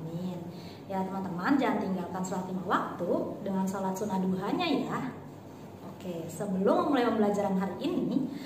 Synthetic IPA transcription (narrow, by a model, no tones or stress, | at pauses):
mɪn | jat̪əmant̪əmand͡ʒant̪iŋɡalkansolat̪imawak̚t̪udəŋansolat̪sunaduɦaɲaja | okesəbəlʊmmulajpənbəlad͡ʒaɾanɦaliʔini